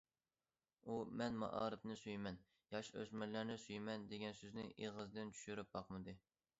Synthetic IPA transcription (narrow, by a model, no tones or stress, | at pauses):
umɛnmɑ̰ʔɑ̰ːɾɨpnɨsyjmɛn | jɑʃø̰zmɛlːæɾnɪsyjmɛnd̪eɡʲɛnsøznɪʔeʁəzd̪ɪnt͡ʃʰy̥ʃyɾyp̚bɑqmɨd̪ɨ